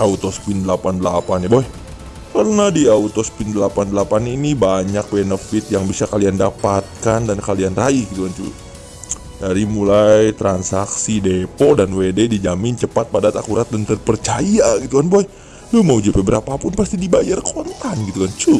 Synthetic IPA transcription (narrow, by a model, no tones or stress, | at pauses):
aut̪ɔspindəlapandəlapanjaboɛ | kərnadiaut̪ɔspɪndəlapandəlapaninibaɲak̚benəfɪt̪jaŋbisakaliandapat̪̚kandankalianraihɡit̪ukant͡ʃṵ | daɾimulajt̪ɾansaksidepodanwededid͡ʒamɪnt͡ʃəpat̪̚padat̪akuɾat̪̚dant̪ərpərt͡ʃajaɡit̪ukanboɛ | lumaud͡ʒipɛbəɾapapʊnpast̪idibajarkont̪anɡit̪ukant͡ʃu